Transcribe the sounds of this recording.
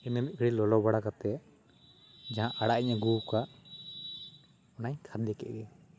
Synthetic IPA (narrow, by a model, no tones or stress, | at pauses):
ɛnɛmikʰɽilɔlɔbaɽakat̪ɛ | d͡ʒaɦãʔaɽaʔiɲaɡuka | ɔnaɲkʰad̪ɛkɛ̰ʔɡɛ